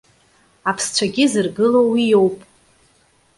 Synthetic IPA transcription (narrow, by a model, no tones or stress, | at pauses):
apʰst͡ɕʷʰaɡʲɪzɨrɡɨlowijo̞wpʼ